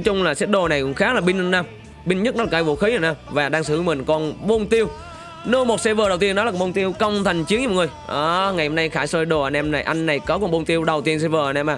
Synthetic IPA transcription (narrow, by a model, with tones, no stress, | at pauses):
jt͡ɕʊ˧ŋ͡mlaː˨˩sɛ˦˥t̚ɗo˨˩na˨˩jkŋ͡mxaː˦˥k̚laː˨˩ɓi˧ŋ˧naː˧m | ɓï˧ŋ̟ɲə˦˥t̚nɔ˨˦aː˨˩kːaː˧˦jvo̰˧˩xi˨˦ə˨˩naː˧mvaː˨˩ɗaː˧ŋsɨ̰˧˩˨mï˨˩ŋ̟kɔ˧nɓo˧nt̪i˧əw | nɨ˧mo˨˩t̚sɛ˧vəː˨˩ɗə˨˩wt̪i˧ənːɔ˨˦aː˨˩˨ɓo˧nt̪i˧əwkə˧wŋ͡mt̪ʰa˨˩jŋ̟t͡ɕi˨˦ŋɲ̚˧˨˩ŋɨ˨˩jʔaː˨˩ŋa˨˩jhə˨˩mna˧jxaː˧˩jsəː˧jɗo˨˩əː˧˩nʔɛ˧mna˨˩jʔa˧jŋ̟na˨˩jkɔ˨˦kɔ˧˩nɓo˧nt̪i˧əwɗə˨˩wt̪i˧ənsɛ˧vəː˧˩əː˧˩nʔɛ˧mʔaː˧˨˩